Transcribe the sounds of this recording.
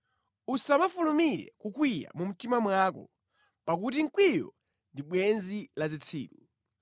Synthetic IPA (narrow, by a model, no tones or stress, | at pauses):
usamafulumiɾɛ̰kukwija̰mum̩timamwakɔ̰ | pak̬ut̬iŋ̩kwijɔ̰ | ndiɓwɛnzilazit͡sʰḭːtu